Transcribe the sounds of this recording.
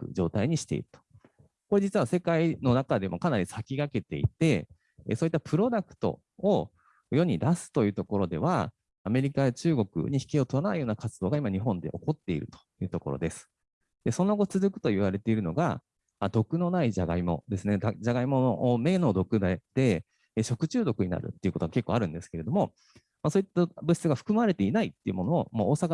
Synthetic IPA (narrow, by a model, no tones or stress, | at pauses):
kɯ̟̰d͡ʑo̞ːt̪aiɲ̟iɕi̥t̪e̞̰ḭɾɯ̟̥t̪o̥ | ko̞ɾe̞d͡ʑit͡sɨβase̞kaino̞nakad̪e̞mo̞̰kanaɾʲisakʲiɡake̞t̪e̞̰ḭt̪e̞̰ | soːit̪ːapɯ̟ɾo̞d̪akɯ̟̥t̪o̞̰ː | jo̞ɲ̟id̪asɨ̥t̪o̞jɯ̟ːt̪o̞ko̞ɾo̞d̪e̞β̞a̰ː | me̞ɾʲikaet͡ɕɨːɡo̞kɯ̟̰ɲ̟içi̥kʲio̞t̪oɾanaijo̞ːnakat͡sɨd̪o̞ːɡaimaɲ̟iɦõ̞nd̪e̞̰ʔo̞ko̞t̪ːe̞ḭɾɯ̟t̪o̥jɯ̟ːt̪o̞ko̞ɾo̞̰d̪e̞sɨ̥ | d̪̥e̞so̞no̞ɡo̞t͡sɨzɨkɯ̟̥t̪o̞iβaɾe̞t̪e̞iɾɯ̟no̞ɡa̰ | ad̪o̞kɯ̟no̞naid͡ʑaɡaimo̞̰d̪e̞sɨned̪ad͡ʑaɡaimo̞noʔme̞ːno̞ːd̪o̞kɯ̟d̪ad̪̥e̞ | ɕo̞kɯ̟t͡ɕɨːd̪o̞kɯ̟ɲina̰ɾɯ̟̰t̪ːe̞iɯ̟ko̞t̪oɡake̞kːoaɾɯ̟̃nd̪e̞sɨ̥ke̞ɾe̞d̪o̞mo̞ | maso̞ːit̪ːabɯ̟ɕi̥t͡sɨɡaɸɯ̟̥kɯ̟maɾe̞t̪einait̪ːe̞iɯ̟mo̞no̞ːmoːsaka